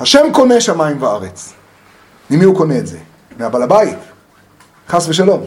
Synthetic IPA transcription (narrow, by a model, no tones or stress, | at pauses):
haʃe̞mko̞neʃamaimvaaʁet͡s | nimiuko̞neːtzḛ | meabalabait̪ | χasveʃ̬alo̞m